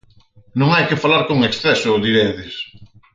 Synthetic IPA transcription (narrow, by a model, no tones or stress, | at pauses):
nõŋajkɪfalaɾkoŋeksθɛsʊðiɾeðɪs